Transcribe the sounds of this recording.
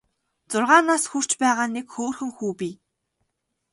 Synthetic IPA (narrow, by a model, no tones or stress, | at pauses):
t͡sʊrʁaːnaːsxur̥t͡ɕpæːʁaːnekxoːrxɘ̆ŋxuːpiː